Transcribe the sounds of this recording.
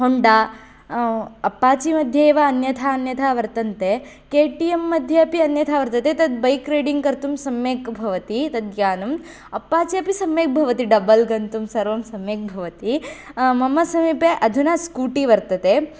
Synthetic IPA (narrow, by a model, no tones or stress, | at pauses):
ɦoɳɖaː | ɐpːaːt͡ʃimɐd̪ʱjɐeːʋɐːnjɐt̪ʰaːnjɐt̪ʰaːʋɐɾt̪ɐnt̪e | keːʈijemːɐd̪ʱjɐɐpiɐnjɐt̪ʰaːʋɐɾt̪ɐt̪et̪ɐd̪̚bɐjkɾeːɖiŋɡkɐɾt̪umsɐmjeːkbʱɐʋɐt̪it̪ɐd̪̚ɡjaːnɐm | ɐpːaːt͡ʃiɐpisɐmjeːk̚bʱɐʋɐt̪iɖɐbɐlɡɐnt̪umsɐɾʋɐmsɐmjeːk̚bʱɐʋɐt̪imɐmɐsɐmiːpeʔɐd̪ʱunaskuːʈiʋɐɾt̪ɐt̪e